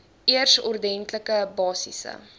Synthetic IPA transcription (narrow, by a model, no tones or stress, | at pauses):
iərsɔrdɛntləkəbɑːsḭsə̰